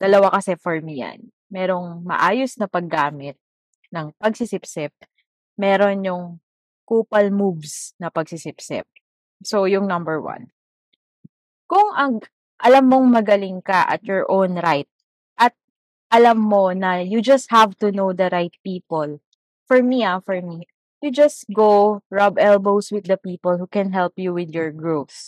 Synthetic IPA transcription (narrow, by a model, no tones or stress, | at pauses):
d̪̥ɐlɐwakɐsɛfɔɹmija̰n | mɛːɾo̞ŋmɐ̰ʔaːjosnɐpɐɡːaːmɪt̪̚ | nɐŋpɐɡsɪsɪpsɪp̚ | mɛːɾonjʊŋ | kuːpɐlmuvsnɐpɐɡ̚sɪsɪpsɪ̰p̚ | sojʊŋnɐmbɛɹwɐ̰n | kʊŋʔɐɡ | ʔɐlɐmːoŋmɐɡɐlɪŋkɐʔɐ̰t̪̚jɔɹʔownɾajt̪̚ | ʔɐt̪̚ | ʔɐlɐmːonɐjud͡ʒɐst̪̚havt̪unowd̪ɐɾajt̪̚piːpɔl | fɔɹmiafɔɹmi | jud͡ʒɐst̪̚ɡoɹabɛlbowswɪd̪ːɐpiːpɔlhukɛ̃nɦɛlpjuwɪd̪jɔɹɡɹofs